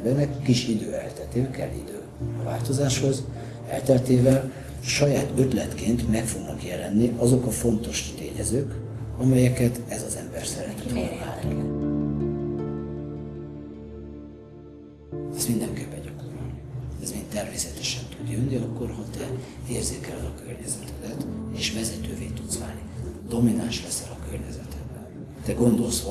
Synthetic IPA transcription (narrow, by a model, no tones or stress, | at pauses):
bɛrnɛkːiʃid̪øːɛ̰lt̪ɛlt̪eːvɛkɛ̰lːḭd̪øː | ɒva̰ːlt̪o̞zaːʃho̞z | ɛ̰lt̪ɛlt̪eːvɛl | ʃɒjaːt̪ø̞t̪lɛt̪keːnt̪mɛkfo̞ɡnɒkjɛlɛnːiɒzo̞kɒfo̞nt̪o̞ʃt̪ḛːɲɛ̰zøːk | ɒmɛjɛkɛt̪ɛzɒzɛmbɛrsɛɾɛnt̪ɛ̥t̪ho̰rma̰ːn | ɛsmind̪ɛŋkeːpːɛɲɟɒko̞ɾolɛzmeːnt̪ɛrmeːsɛt̪ɛʃɛnt̪ud̪jønːiɒkːo̞rhɒt̪ɛeːrzeːkɛlɛlɒkørɲɛzɛt̪ɛd̪ɛt̪eːʃvɛzɛt̪øːveːt̪ut̪sva̰ːlnid̪̥o̞minanʃlɛsɛlɒkørɲɛzɛt̪ʰɛd̪bɛn | t̪ɛɡo̞nd̪o̞lsho